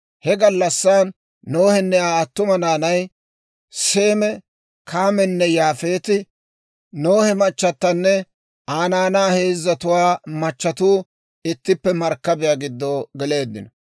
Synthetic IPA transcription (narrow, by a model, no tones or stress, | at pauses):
hɛɡɐlːɐsːaːnː | oːhɛnːɛaːɐt̪ːʊmɐnaːnɐj | se̞ːmɛ | kʰaːmɛnːɛjaːfeːt̪ɪ | noːhɛmɐt͡ʃːɐt̪ːɐnːɛ | aːnaːnaːheːzːɐt̪ʊwaːmɐt͡ʃːɐt̪uː | ɪt̪ːɪpːɛmɐɾkːɐbɪjaːɡɪd̪ːoːɡɛle̞ːd̪ːɪ̰nɔ